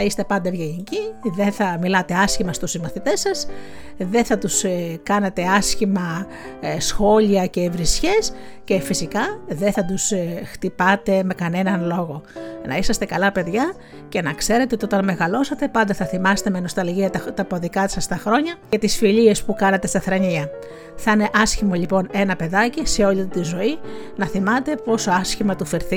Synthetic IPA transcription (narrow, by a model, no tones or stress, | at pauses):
θɐist̪e̞pɐnd̪ɐvʝeʝiciðeθɐmilɐt̪e̞ɐsçimɐst̪usimɐθit̪e̞sɐs | ðe̞θɐt̪uskɐnet̪e̞ɐsçimɐ | sxo̞ʎiɐce̞vɾisçe̞s | ce̞fisikɐðeθɐd̪usxt̪ipɐt̪e̞me̞kɐne̞nɐnlo̞ɣo̞nɐ̰isɐst̪e̞kɐlɐpe̞ðʝɐ | ce̞nɐkse̞ɾe̞t̪eot̪io̞t̪ɐnme̞ɣɐlo̞sɐt̪e̞pɐnd̪ɐθɐθimɐse̥t̪eme̞no̞st̪ɐlʝiɐt̪t̪ɐpoðikɐt̪i̥sɐst̪ɐxɾo̞ɲɐet̪isfiʎie̞spukɐnɐt̪est̪ɐθɾɐɲiɐ | θɐine̞ʔɐsçimo̞ʎipo̞ne̞nɐpe̞ðɐcise̞o̞ʎit̪izo̞i | nɐθimɐt̪e̞po̞so̞ɐsçimɐt̪ufeɾθi